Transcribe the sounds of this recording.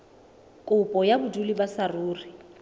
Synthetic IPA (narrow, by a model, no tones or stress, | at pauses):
kʼʊpʼɔjabʊdulibasaruːri